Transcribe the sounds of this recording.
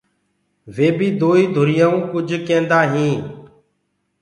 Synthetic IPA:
ʋeːbiːd̪oːiːd̪ʱʊɾɪjaːũːkʊd͡ʒʱkẽːnd̪aːɦĩː

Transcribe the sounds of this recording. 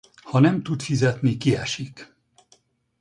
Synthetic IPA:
hɒnɛmt̪ut̪fizɛt̪nikiɛʃik

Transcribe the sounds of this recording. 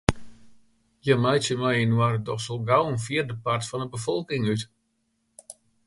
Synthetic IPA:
jəmɛjtjəmɛjənwardɔxsolˠɡawənfiərdəpartfɔndəbəfɔlˠkɪŋyt

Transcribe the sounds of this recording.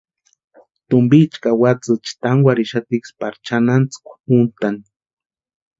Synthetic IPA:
t̪ʊmbit͡ʃkawat͡sɨt͡ʃt̪aŋwaɾiʃat̪ikspaɾt͡ʃanant͡sɨ̥kʷpunt̪ani

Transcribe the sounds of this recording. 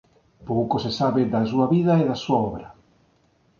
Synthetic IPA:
powkosesaβɪd̪as̬uɐβiðaeðɐsuaɔβɾɐ

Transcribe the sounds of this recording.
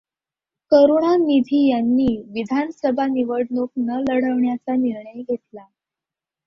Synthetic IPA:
kəɾuɳ̃anid̪ʱiːjanːiːʋid̪ʱansəbʱaniʋəɽnoknələɽəʋɳjat͡saniɾɳəjɡʱet̪la

